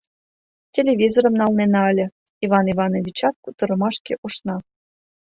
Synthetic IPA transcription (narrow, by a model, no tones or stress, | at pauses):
tʲelʲeβʲizoɾəmnɑlnenɑəlʲə̆ | iβɑniβɑnovʲit͡ɕɑt̪̚kut̪ɤ̆ɾɤ̆mɑʃkeʔuʃnɑ